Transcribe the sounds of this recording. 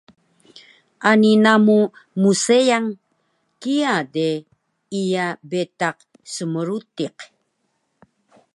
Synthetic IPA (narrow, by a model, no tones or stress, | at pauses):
aninamumusejaŋ | kiade | ijabet̪aq̚ | səməɾut̪iq